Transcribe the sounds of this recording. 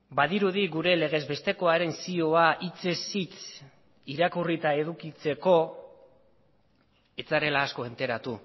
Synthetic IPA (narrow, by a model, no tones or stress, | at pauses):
baðiɾuðiɡuɾe̞le̞ɣ̞e̞zbe̞st̪e̞ko̞aɾe̞nsio̞aʔit͡se̞sit͡s | iɾakurit̪ae̞ð̞ukit͡se̞ko̞ | e̞t͡saɾe̞laːsko̞e̞nt̪e̞ɾat̪u